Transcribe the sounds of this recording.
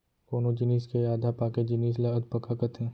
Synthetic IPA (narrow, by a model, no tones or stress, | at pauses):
koːnod͡ʒɪniːskejaːd̪ʱapaːked͡ʒɪniːs̬laɐd̪̚pɐkakət̪ɦɛ̃ː